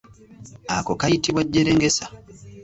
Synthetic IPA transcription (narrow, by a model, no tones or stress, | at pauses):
ako̞kajitiβwaɟːeɾeːŋɡesa